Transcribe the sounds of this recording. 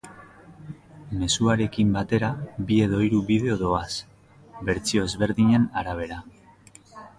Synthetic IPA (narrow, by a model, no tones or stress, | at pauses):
me̞suaɾe̞kimbat̪e̞ɾabie̞ðo̞iɾuβið̞e̞o̞ðo̞as | βeɾt͡sio̞ezβe̞ɾðiɲe̞naɾaβ̞e̞ɾa